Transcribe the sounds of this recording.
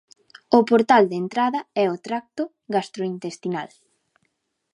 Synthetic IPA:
ʊpoɾt̪ald̪ent̪ɾaðɐɛot̪ɾak̚t̪ʊ | ɣast̪ɾoint̪est̪ina̰l

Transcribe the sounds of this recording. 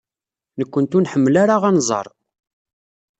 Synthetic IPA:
nəkʷːənt̪unħəmːlaɾaʁænzˤɑ̰ɾˤ

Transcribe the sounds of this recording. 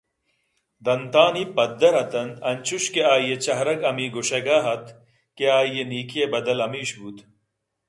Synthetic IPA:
d̪ɐnt̪aːnipɐd̪ːɐɾɐt̪ɐnɐnt͡ɕʰuɕkeaːijet͡ɕɐɦɾɐɡɐmiːɡoɕɐɡaːɦɐt̪ | keaːijeniːkʰijebɐd̪ɐlɐmiːɕbut̪

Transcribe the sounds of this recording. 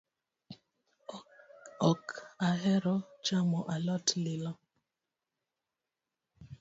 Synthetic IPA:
ɔkaɦɛɾɔt͡ʃamɔʔalɔtlɪlɔ

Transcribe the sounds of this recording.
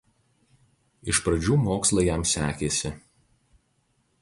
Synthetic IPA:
ɪʃpɾɐd͡ʒʲuːmoːkslˠɐjɛmsʲæːkʲeːsʲɪ

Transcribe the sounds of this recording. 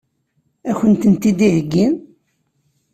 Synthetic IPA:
æçənt̪ənt̪id̪ihəɡːin

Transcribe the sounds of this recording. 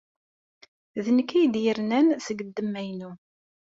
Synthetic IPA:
ðənəkːijd̪jəɾnænsəɡəd̪ːəmːæjnu

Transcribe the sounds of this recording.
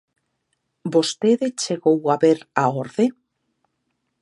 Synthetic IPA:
bost̪eðet͡ʃeɣowaβeɾaoɾðe

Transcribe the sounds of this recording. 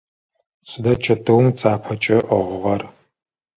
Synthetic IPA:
ɕʰʼɨdɐt͡ʃʰɐtʰɐwmt͡sʰʼaːpʰɐt͡ʃʼɐʔɐʁʷʊʁɐr

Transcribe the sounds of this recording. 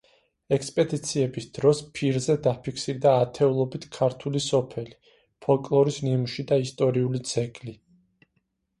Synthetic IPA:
ɛkspʼɛd̪it̪sʰiɛbisd̪̥ɾɔspʰiɾzɛd̪apʰikʰsiɾd̪aːt̪ʰɛulˠɔbit̪ʰkʰaɾt̪ʰulisɔpʰɛli | pʰɔlˠkʼlˠɔɾisnimuʃid̪aist̪ʼɔɾiulit̪sʰɛkʼli

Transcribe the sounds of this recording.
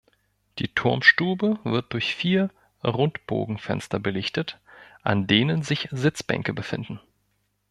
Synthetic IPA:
d̥iːtʰʊɐmʃtuːbəvɪɐt̚d̥ʊɐçfiːɐ | ʁʊntb̥o̰ːɡŋ̩fɛ̰nstɐbəlɪçtətʔa̰ndeːnənzɪçzɪt͡sb̥ɛ̰ŋkəbəfɪ̰ndn̩

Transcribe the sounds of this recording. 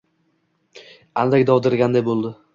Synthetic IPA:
ald̪akʲd̪ɒwd̪ɪɾɡʲand̪ajbolˠd̪ɪ

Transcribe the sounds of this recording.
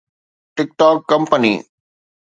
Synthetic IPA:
ʈɪk̚ʈɔːkːɐ̃mpənḭː

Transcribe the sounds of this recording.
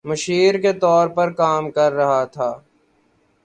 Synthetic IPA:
mɐʃiːɾket̪ɔːɾpɐɾkaːmkɐɾːɐɦat̪ʰaː

